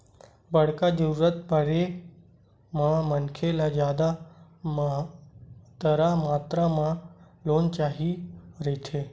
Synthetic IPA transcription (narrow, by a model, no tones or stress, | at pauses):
bəɽ̤kad͡ʒəɾuːɾət̪bəɽe | mãmənkʰelad͡ʒjaːd̪a | m | t̪əɾamaːt̪ɾamãloːnt͡ʃaːɦiɾəit͡ʃʰeː